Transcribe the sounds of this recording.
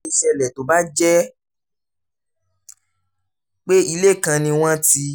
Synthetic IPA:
i˧sɛ˧lɛ˨to˨˦ba˦d͡ʒɛ˦ | k͡pe˦i˧le˦˨kã˧nĩ˧w̃ɔ̃˦ti˧

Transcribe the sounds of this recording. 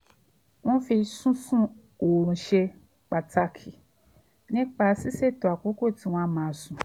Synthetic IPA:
w̃ɔ̃˦fi˧sũ˦sũ˦ | o˨ɾũ˨ʃe˧ | k͡pa˨ta˧kʰi˨ | nĩ˦k͡pa˧si˦se˦˨to˨a˨ko˨˦ko˦˨ti˨˦w̃ɔ̃˦mãː˨˧˨sũ˨

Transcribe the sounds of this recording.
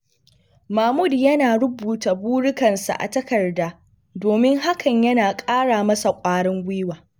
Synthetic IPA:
maː˨mʊ˦˨djɐ˦naː˨ɽʊ˦buː˨ta˨buː˦ɽʊ˦kɐ˨nsa̰˨ʔa̰˨tɐ˦kɐ˨rdaː˦ | doː˨mɪ˦ŋɦa˦kɐ˨ɲjɐ˦naː˨kʼaː˦ɽaː˨mɐ˦sa˨kʷʼaː˦ɽɪ˦ŋɡʷɪː˦waː˨

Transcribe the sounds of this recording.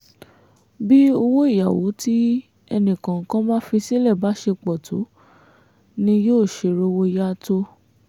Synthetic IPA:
bi˦o˧wo˦i˦˨ja˨wo̰˨˦ti˦ | ɛ˧nĩ˨kã˨ŋ̩˨kã˦mãː˦fi˧si˦lɛ˦˨ba˨˦ʃe˧k͡pɔ˨to̰˨˦ | nĩ˧joː˦˨ʃe˧ɾo˧wo˧˦ja˦to˦

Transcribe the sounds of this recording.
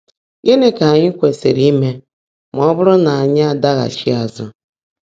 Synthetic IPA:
ɡe˦ne˦ka˨ɲɪ˦kʷe˨sḛ˨ɾi˦me˦ | m˨ɔ˦bʊ˦ɾʊ˦na˨a˨ɲa˦a˨da˦ɣa̰˨ʃi˦a˨zʊ̰˦

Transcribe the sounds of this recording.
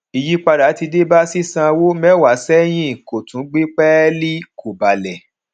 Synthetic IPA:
i˨ji˦k͡pa˧da˨˦ti˧de˦ba˦si˦sã˧wo˦mɛ˦wa˨˦sɛ˦j̃ĩ˦˨ko˨tũ˨˦ɡ͡bi˦k͡pɛ˦li˦kʰo˨ba˨lɛ˨

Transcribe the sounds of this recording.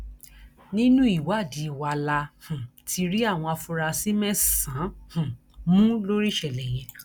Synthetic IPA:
nĩ˦nũ˦i˦˨wa˦˨di˨˦˨wa˧˨la˧hũ˨tʰi˧ɾi˦a˦˨w̃ɔ̃˧a˧fũ˧ɾa˧si˦mɛ̃˦sã˨˦hũ˨ | mũ˦lo˦ɾi˦ʃɛ˨lɛ˨j̃ɛ̃˧

